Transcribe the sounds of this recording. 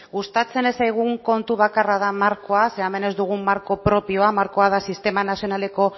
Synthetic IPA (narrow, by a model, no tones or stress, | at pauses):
ɣust̪at͡se̞ne̞sajɣ̞uŋko̞nt̪uβakarað̞amaɾko̞ase̞ame̞ne̞zd̪uɣ̞umaɾko̞pɾo̞pio̞amaɾko̞að̞asist̪e̞manasio̞nale̞ko̞